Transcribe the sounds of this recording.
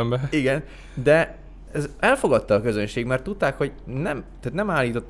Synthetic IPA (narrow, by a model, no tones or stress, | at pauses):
mbɛiɡɛn | d̪ɛ | ɛzɛlfo̞ɡɒt̪ːɒːkø̞zønʃeːɡmɛrt̪ːut̪ːaːkho̞ɟnɛmt̪aːt̪nɛmaːliːt̪o̞t̪ː